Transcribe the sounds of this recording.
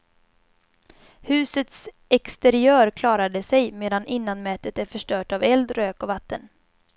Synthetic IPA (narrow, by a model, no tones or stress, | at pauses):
hʉ̟ːsət̪s | ɛkst̪ɛɾɪœːɾkʰlɑːɾad̪əsɛjmeːd̪anʔɪnːanmɛːt̪ət̪æɾfœʂʈœːʈavɛld̪ɾøːkɔvat̪ːən